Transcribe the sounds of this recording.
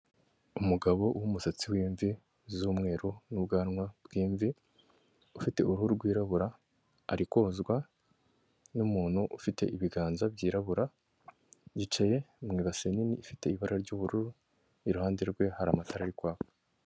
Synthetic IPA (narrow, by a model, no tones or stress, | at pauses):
umuɡaβo̞wumusat͡siwiːɱvi | zuːmŋe̞ːɾonubɡaːnŋwabɡiːɱvi | ufite̞uɾuhuɾuɾɡwiːɾaβuɾaː | ɾikozɡwa | numuːnhuʔufite̞̰ʔiβiɡaːnzabɟiːɾaβuɾa | ɟit͡ʃeje̞mŋiːβaseniniːfite̞iβaɾaɾɟuβuɾuɾu | iɾuhaːndeɾɡwe̞haɾaːmatʰaɾaɾikwaːβo